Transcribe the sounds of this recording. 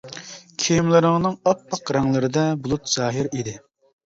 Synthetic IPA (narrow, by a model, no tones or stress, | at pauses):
kʲʰijmlˠɨɾɪŋnɨŋɑpːɑqɾɑŋlˠɨɾɨd̪ɛbulˠut̪z̥ɑːɦɪɾid̪ɪ